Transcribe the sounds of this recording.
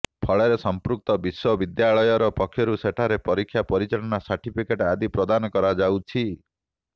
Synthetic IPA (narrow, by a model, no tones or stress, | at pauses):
pʰɔɭeɾesɔmpɾuk̚t̪ɔbiswɔbid̪jaɭɔjɔɾɔpɔkʰːjɔɾuseʈʰaɾepɔɾikʰːjapɔɾit͡ʃaɭɔnasaɾʈipʰikeʈad̪ipɾɔd̪anɔkɔɾad͡ʒawt͡ʃʰi